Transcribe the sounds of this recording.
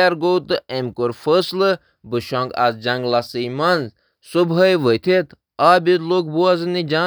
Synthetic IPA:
aɾɡoːt̪ɨemkoɾfəslɨ | bɨʃõːŋɡa̰zd͡ʒɐŋɡlasɨjmanz | subɐjʋəjt̪ʰet̪ʰ | aːbʲid̪loːkbuazɨnid͡ʒa

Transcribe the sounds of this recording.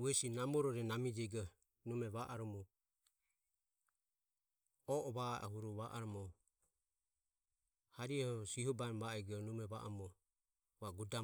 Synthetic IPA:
uɛsinamɔɾɔɾɛnamid͡ʒɛɡɔ | numɛβaʔaɾɔmɔ | ɔʔɔβaa̰ɦuɾɔβaʔaɾɔmɔ | haɾiɛhɔsiɦɔbanbaɛɡɔnumɛβa̰ʔɔmɔ | βaɡuda

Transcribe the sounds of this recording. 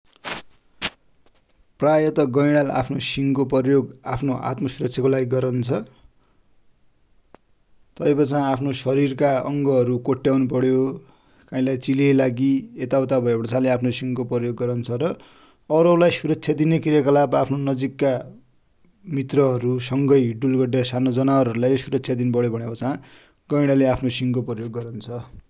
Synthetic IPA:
prajʌt̪ʌɡʌjɽ̃ala̰pʰnosiŋkoprjoɡapʰnoʔa̰t̪mʌsuɾʌk̚t͡sʰjakolaɡiɡʌɾʌnt͡sʰʌ | t̪ʌjpʌt͡sãapʰnosʌɾirkaʌŋɡʌɦʌɾukoʈːjawnup̬ʌɽjo | kãĩlajt͡silelaɡiet̪awt̪abʱʌebʌɽt͡sãleapʰnosiŋkoprʌjoɡːʌɾant͡sʰʌɾʌː | ɾʌulajsuɾʌksʰad̪inekiɾjekʌlabapʰnonʌd͡zikːa | mit̪rʌɦʌɾusʌŋɡʌjɖulɡʌɖesanod͡zʌnaʌɾɦʌɾulajosuɾʌksʰjad̪inbʌɽjebʱʌɽ̃japʌt͡sãã | ɡ̥ʌjɽ̃aleapʰnosiŋkoprʌjoɡːʌɾant͡sʰʌ

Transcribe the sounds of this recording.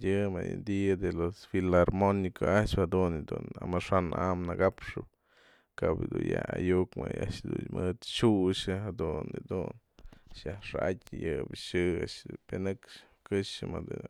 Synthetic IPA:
jɨmajɨnd̪iad̪elosfilaɾmonikaʔaʃbhad̪und̪unamaʂanʔamnaɡapʂɨb̚ | kabd̪ujaajukmajaʔʃd̪unmɨt̪ʃuʃaɦad̪unid̪un | ʃjaʂaatʲjɨbʃɨaʃpenɨk | kɨʃamad̪u

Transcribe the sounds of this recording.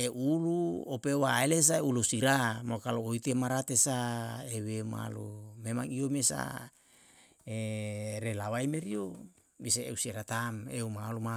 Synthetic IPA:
eʔuluopewaeles̬aeulusiɾamokaloːit̪emaɾat̪esaewema̰lumemaŋiomesa̰ | eɾelawajmeɾio | miseḛusieɾat̪ameumaluma

